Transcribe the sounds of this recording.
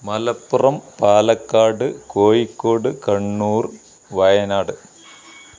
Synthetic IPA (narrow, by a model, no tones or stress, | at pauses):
mɐlɐpːurɐmpaːlɐkːaːɽɨkoːjikːo̞ːɽɨkɐɳːuːr | ʋɐjɐnaːɽɨ